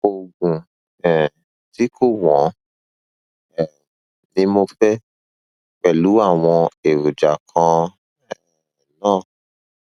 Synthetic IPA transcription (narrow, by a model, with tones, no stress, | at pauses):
o˨ɡũ˨ | ɛ˨ | ti˦ko˦˨wɔ̃˨˦ | ɛ˨ | nĩ˧mo˧fɛ˦ | k͡pɛ˨lu˨˦a˦˨w̃ɔ̃˧e˨wo˨d͡ʒa˨kʰã˧ | ɛ˨ | nãː˦˨